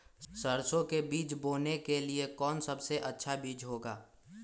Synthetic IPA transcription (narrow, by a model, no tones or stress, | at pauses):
səɾsõkebiːt͡ʃboːnekeliekɔːnsɐbseʔɐtːʃʰabiːd͡ʒɦoːɡaː